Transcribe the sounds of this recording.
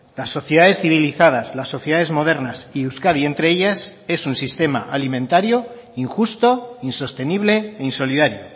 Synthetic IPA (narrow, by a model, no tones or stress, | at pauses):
lasːo̞θjeð̞aðe̞sθiβ̞iliθað̞aslasːo̞θjeðaðe̞zmo̞ðe̞ɾnasiuskaðie̞nt̪ɾe̞eʎase̞sunsist̪e̞ma̰ʔalimẽ̞nt̪aɾjo | iŋxust̪o̞inso̞st̪e̞niβle̞ːinso̞lið̞aɾjo